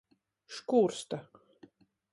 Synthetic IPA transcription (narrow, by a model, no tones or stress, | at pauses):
ʃkuːɾst̪a